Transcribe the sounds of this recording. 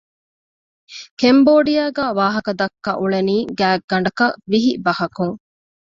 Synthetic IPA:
kemboːɖijaːɡæːʋaːɦɐkɐd̪ɐkːɐʔuɭeniːɡæːɡːɐɳɖɐkɐʋiɦibɐhɐkuŋ

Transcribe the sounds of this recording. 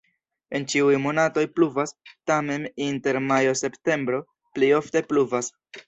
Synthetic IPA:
e̞nt͡ʃiujmo̞nato̞jpluvastame̞ninte̞ɾmajo̞se̞pte̞mbɾo̞ | plejo̞fte̞pluvas

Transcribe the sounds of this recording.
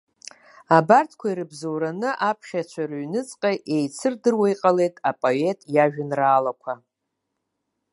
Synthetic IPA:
abartʰkʷʰaiɾɨbzowɾanɨʔapʰχʲat͡ʃʷʰarɥnɨt͡sʼqʼaje̞jt͡sʰɨrdɨrwajqʼale̞jtʼapʼoe̞tʼjaʒᶣɪnraːlakʷʰa

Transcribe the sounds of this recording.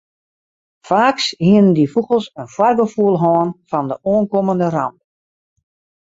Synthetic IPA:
faːkshiənəndifukəlˠsənfwarɡəfuəlˠɦɔːnfɔndəʔoənkoməndəra̰mp̚

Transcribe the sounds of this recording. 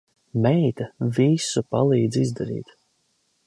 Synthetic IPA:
mɛjt̪avisupa̰lˠiːd̪zizd̪aɾḭːt̪

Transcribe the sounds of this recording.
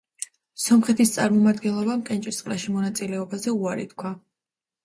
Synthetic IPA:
sɔmχɛt̪ʰist̪sʼaɾmɔmad̪ɡɛnlˠɔbamkʼɛnt͡ʃʼist̪sʼqʼlaʃimɔnat̪sʼilɛɔbazɛuaɾḭt̪kʰwa

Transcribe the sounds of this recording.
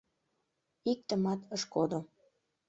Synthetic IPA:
ik̚t̪əmɑt̪əʃkod̪o

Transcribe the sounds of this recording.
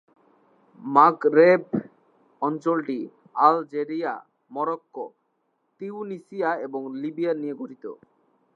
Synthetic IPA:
maɡɾeb | ɔnt͡ʃolʈi | ald͡ʒeɾija̰ | mɔɾɔkːo | t̪iunisijaebɔŋlibianijeɡʱoɾit̪o̰

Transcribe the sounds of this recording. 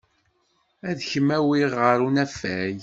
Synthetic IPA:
æðçəmæwiʁəɾunæfæj

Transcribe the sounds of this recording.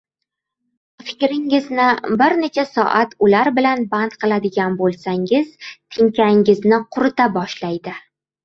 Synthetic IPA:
fɪ̥kʲɾɪŋɪznɪbɪɾne̞t͡ʃʰasɒ̰ʔat̪ʊlaɾbɪlanbant̪qʰɨlˠad̪ɪɡʲanbolˠsaŋɪz̥t̪ʰɪŋkʲʰaŋɪznɪqʰʊɾɪt̪abɒʃlajd̪ɪ

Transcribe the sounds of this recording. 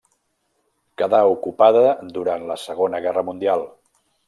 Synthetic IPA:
kəðaukupaðəd̪uɾanləsəɣonəɣɛrəmund̪ialˠ

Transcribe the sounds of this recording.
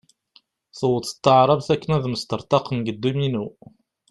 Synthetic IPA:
θəwət̪ə̥t̪ːəʕɾˤɑvθækːənæðməst̪əɾˤt̪ˤɑqənɡəd̪ːuminu

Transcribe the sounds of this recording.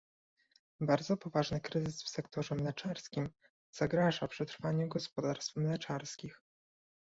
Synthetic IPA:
baɾd̪zɔpɔvaʐnɘkɾɘzɘsfsɛkt̪ɔʐɛmlɛt͡ʂaɾskʲim | z̥aɡɾaʐapʂɛt̪ɾfaɲɛɡɔspɔd̪aɾst̪fɛmlɛt͡ʂaɾskʲix

